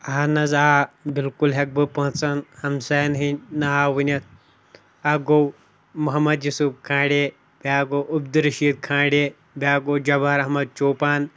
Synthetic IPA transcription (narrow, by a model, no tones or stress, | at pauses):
ɐɦanɐzaabilkulɦek̚bɨpɐɦũt͡sɐnhɐmsɐːnɦinʲnɐɦaːwunʲɐt̪̚ | ɐɡow | muɦɐmɐd̪jusupkʰãːɽeː | bʲaɡoːʔubd̪ɨɾɐʃiːd̪̚kʰãːɽʲe | bʲaːɡoːd͡ʒɐbaɾɐɦmɐd̪̚t͡ʃoːpaːn